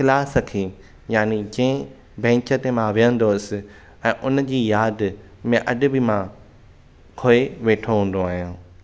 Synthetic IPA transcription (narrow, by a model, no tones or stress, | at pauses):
xɪlaːsɐkʰi | jaːnid͡ʑĩɪ̃ | bɛ̃ːɲt͡ɕət̪emãʋɪjə̃nd̪oɪsɪ̆ | ɛ̃ːʔʊnd͡ʑiːjaːd̪ | mẽʔɐɗɪ̆bɪmã | kʰoːeʋeːʈʰoɦũːn̆d̪oaːɦijũː